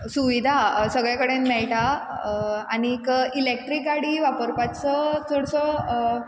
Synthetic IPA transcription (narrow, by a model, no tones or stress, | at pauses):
suʋid̪ʱasəɡɭjakəɽenmɛɭʈa | anikilek̚ʈɾikɡaɽiʋapəɾpat͡sət͡soɽsɔ